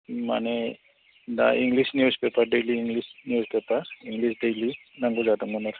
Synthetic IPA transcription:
mane | da̰iŋɡlisnjuzpepaɾɖejliːŋɡlisnjuzpepaɾiŋɡlisɖejli | naŋɡuzad̪aŋunaɾ

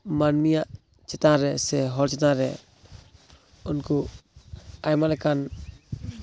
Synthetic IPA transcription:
manmijaʔ | t͡ʃɛt̪aɾɛsɛɦɔlt͡ʃɛtaɾɛ | ʊnku | ajmalɛkan

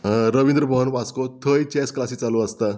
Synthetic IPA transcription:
ɾəʋind̪ɾəbʱəɦənpaskot̪ʰəjt͡ɕɛsklasiːt͡saluəst̪a

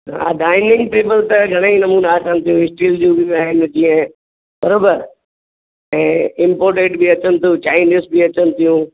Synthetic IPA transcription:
ɦa̰ɖaːɪnɪ̃ŋɡʈeːbəlt̪ɐɡʱɐɽ̃eĩnɐmuːnaaːsãːnt̪ʰijũːɦɪsʈiːld͡ʑũbɪmaːɦɪn̆d͡ʑĩːə̃ | bɐɾoːbəɾ | ɛ̃ːɪ̃mpoːɾʈeːʈbiɐt͡ɕənɪ̆t̪ʰijũt͡ɕaːɪniːsbiɐt͡ɕənɪ̆t̪ʰijũː

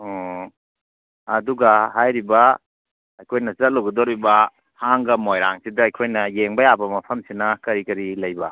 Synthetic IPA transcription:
ɐduɡaɦajɾiba | ɐjkʰojnɐzɐt̚loɡidɔɾibɐ | haŋɡɐmojɾaŋsidɐːjkʰojnɐjeŋbɐjabɐmɐpʰɐmsinɐkɐɾikɐɾilɐjbɐ

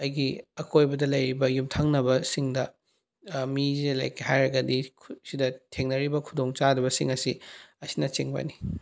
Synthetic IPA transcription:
ɐjɡiɐkʰojbɐdɐlɐjɾibɐjumtʰaŋnɐbɐsiŋdɐ | mizila̰jkihajɾɐɡɐdikʰsidɐtʰeŋnɐɾibɐkʰudoŋt͡ʃadɐbɐsiŋɐsiɐsinɐt͡ʃiŋbɐ̰ni

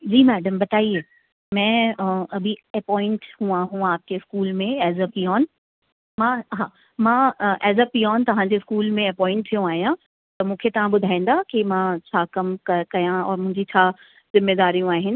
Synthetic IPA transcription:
d͡ʑiːmɛːɖəmbɐt̪aːieː | mɛ̃ːɐbʱiɐpɔːɪ̃ɳʈhũaːɦũaːp̚keɪskuːlmẽɛːzɐpijɔːn | mãɦaː | mãʔɛːzɐpijɔːnt̪ɐʋ̤ãɲd͡ʑeɪskuːlmẽɐpɔːɪ̃ɳʈ̚t̪ʰijũaːɦijã | t̪ɐmũːkʰet̪ɐʋ̤ãɓʊd̪ʱaːĩːn̆d̪akimãt͡ɕʰaːkɐmkɐkɐjãɔ̰ːɾmʊ̃ɦɪ̃ɲd͡ʑit͡ɕʰaː | zɪmːeːd̪aːɾijũaːɦɪnɪ̆

